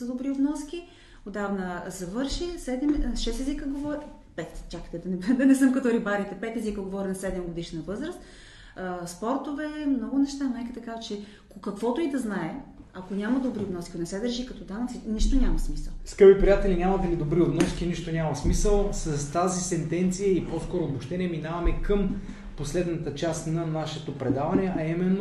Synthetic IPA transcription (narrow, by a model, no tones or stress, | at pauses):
səd̪obɾiobnɔskʲi | od̪avnəzɐvɤɾʃisɛd̪ɛmʃɛst̪ɛzikəɡovɔɾ | pɛt̪t͡ʃʲaki̥t̪ɛd̪ɐnɛd̪ɐnɛsɤmkɐt̪ɔɾibaɾit̪ɛpɛt̪ɛzikəɡovɔɾʲinɐsɛd̪ɛmɡod̪iʃnɐvɤzɾəst̪ | əspɔɾt̪ovɛmnɔɡʊnɛʃt̪anajkit̪ɐkavət͡ʃɛ | kokɐkvɔt̪oid̪ɐznaɛɐkonʲamɐd̪obɾiob̪nɔsi̥konɛsɛd̪əɾʒikɐt̪ɔd̪anɐt̪siniʃt̪onʲamɐsmisəlˠskɤbipɾijat̪ɛlinʲamɐd̪ɐlid̪obɾiob̪nɔskʲiniʃt̪onʲamɐsmisəlˠsɐst̪azisɛnt̪ɛnt̪sijəiposkɔɾoːbʊʃt̪ɛnʲiəminavɐmɛkəm | poslɛd̪nɐt̪ət͡ʃast̪nɐnaʃɛt̪opɾɛd̪avɐnɛʔɐimɛnːo